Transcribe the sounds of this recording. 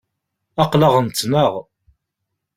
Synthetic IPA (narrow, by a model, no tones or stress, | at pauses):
ɑqləʁənt͡s̪ːnəʁ